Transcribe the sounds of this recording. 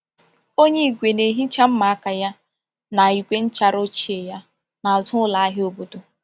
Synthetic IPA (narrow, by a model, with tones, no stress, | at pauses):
o˦ɲe˦i˨ɡʷe˨ne˨ɦi˦t͡ʃa˦m̩˦ma˨a˦ka˨ja˦ | na˨i˨kʷe˦n̩˦t͡ʃa˦ɾo˦t͡ʃi˦e˨ja˦ | na˨zʊ˦la˨a˦ɦɪ˦o˦˨bo˨do˦